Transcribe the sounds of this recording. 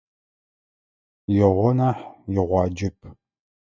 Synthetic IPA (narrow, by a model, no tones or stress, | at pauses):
jɛʁʷɔnaːħjɪʁʷɑːd͡ʒɪp̚ʰ